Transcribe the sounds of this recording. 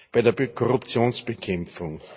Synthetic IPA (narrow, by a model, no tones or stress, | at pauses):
b̥aɪdeɐbekʰɔʁʊpt͡sjoːnsb̥ekʰɛmfʊŋ